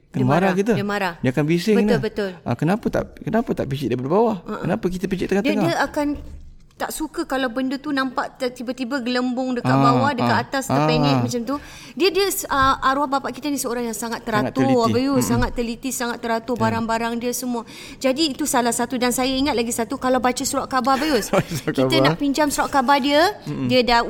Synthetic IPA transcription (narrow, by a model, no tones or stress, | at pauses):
kəmaɾakit̪ədəmaɾahdiəakanbisɪbənbət̪ʊla̰kənapat̪a̰ʔkənapat̪a̰ʔpit͡ʃɪ̰dapadbawahaʔənapakit̪əpit͡ʃɪʔt̪əŋatdŋdiəakan | t̪aʔsukəkalawbəndut̪unampaʔt̪ibat̪ibaɡələmbʊŋdəkabawahdəkat̪at̪asəpɛŋɛ̃mat͡ʃamt̪u | diədiəsəaɾuahbapaʔkit̪ənisəoɾaŋjaŋsaŋat̪ːəɾat̪ʊabəjusaŋat̪ːəlit̪isaŋat̪ːəɾat̪ʊbaɾaŋbaɾaŋdiəsəmũə | d͡ʒadiːt̪usalahsat̪udansajaiŋat̪̚laɡisat̪ukalawbat͡ʃəsuɾaʔkabahbəjuskit̪ənapiɲd͡ʒamsuɾaʔkabahdiədiəda